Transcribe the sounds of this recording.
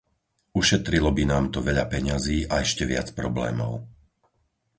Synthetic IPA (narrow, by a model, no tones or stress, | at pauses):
uʃɛt̪ɾilɔbinaːmt̪ɔʋɛʎapɛɲaziːʔaɛʃcɛʋɪa̰t͡spɾɔblɛ̰ːmɔ̰ʊ